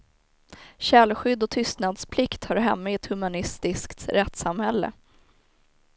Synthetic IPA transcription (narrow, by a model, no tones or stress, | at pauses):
ɕɛlɧʏd̪ːɔt̪ʰʏst̪nad̪spʰlɪkt̪haɾɦɛmːaɪɛt̪hɵmanɪst̪ɪskt̪ɾɛt̪samhɛlːə̰